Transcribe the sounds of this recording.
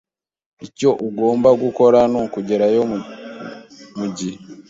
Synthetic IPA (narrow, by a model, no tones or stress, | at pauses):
ico̞ʔuɡo̞ːmbaɡuko̞ɾanukuɟe̞ɾajo | muɟi